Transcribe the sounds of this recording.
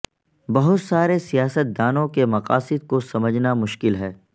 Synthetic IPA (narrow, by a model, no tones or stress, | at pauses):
bɐɦʊt̪saːɾesijaːsət̪̚d̪aːnõkemɐqa̰ːsɪd̪̚kosɐməd͡ʒnamʊʃkɪlɦɛː